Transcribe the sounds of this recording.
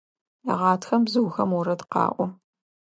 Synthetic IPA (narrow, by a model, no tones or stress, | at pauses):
ja̰ʁɑːtʰxɐmbzɨwxɐmwɔɾɐdqɑ̰ːʔʷɔ